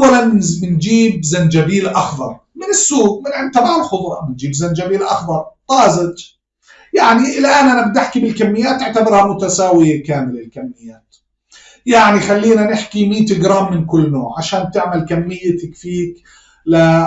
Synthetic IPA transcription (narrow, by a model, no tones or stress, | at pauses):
ʔawːalanɪnd͡ʒiːb̚zand͡ʒabiːlʔaxðˤɑ̰ɾˤ | mɪnɪsːuːɡ̚mɪnʕɪnt̪abaʕɪlxʊd̪ˤɾˤɑmɪnd͡ʒiːbzand͡ʒabiːlʔɑxðˤɑɾˤq̪ˤɑːzɪt̪ | jaʕniʔɪlʔaːnʔanabd̪ɪħkibɪlkamːɪjːaːt̪ʔɪʕt̪abɑɾˤhamʊt̪asaːwɪjekaːmɪlɪlkamːɪjːaːt̪ | jaʕnixalːiːnanɪħkimiːt̪ɪɡɾaːmːɪnkʊlːno̰ːʕʕaʃaːnt̪ɪʕmalkamːɪjːat̪akfiːk | la